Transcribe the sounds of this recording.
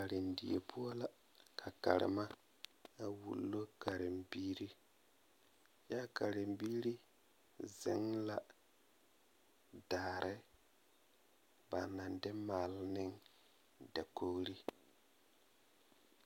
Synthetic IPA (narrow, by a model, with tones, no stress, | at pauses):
ka˨ɾɪ˨n˨di˨e˨pʰu˦ɔ˦la˦˨ | kʰa˨ka̰˨ɾɪ̰˨ma˦ | a˨wṵ˨lːo˦ka˨ɾɪ˨mbiː˦ɾi˦ | ja˦ka˨ɾɪ˨mbiː˦ɾi˦ | zɪ˦ŋla˨ | daː˨ɾʔɪ˦ | ba˨na˨ndɪ˦maː˨lnɪ˦ŋ | da˨ko˦ɣɾi˦